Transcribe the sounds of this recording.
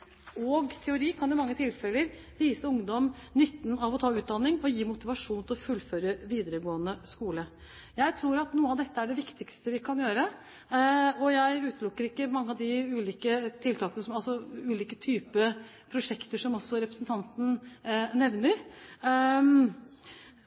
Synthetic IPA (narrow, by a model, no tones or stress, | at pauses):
ɔɡt̪ʰɛʊɾiːkʰɑnd̪ʊmɑŋːət̪ʰɪlfɛlːəɾ | ʋiːsəʊŋd̪ɔmnʏt̪ːn̩ɑʋɔt̪ʰɑːʉːt̪̚d̪ɑnːɪŋɔjiːmʊt̪ɪʋɑʂuːnt̪ʰɪlɔfʉlføːɾəʋiːd̪əɾəɡoːənəskuːlə | jæɪt̪ʰɾuːɾɑt̪nuːəɑʋd̪ɛt̪ːəæɖɛʋɪkt̪ɪkst̪əʋɪkʰɑnjøːɾə | ɔjæɪʉːt̪lʊkːəɾɪkːəmɑŋːəɑʋd̪ɪʉːliːkət̪ʰɪlt̪ʰɑːkənəsɔmɑlsɔʉːliːkət̪ʰyːpə | pʰɾʊʂɛkt̪əʂɔmɔsːɔɾɛpɾəsnt̪ʰɑnt̪n̩nɛʋnəɾ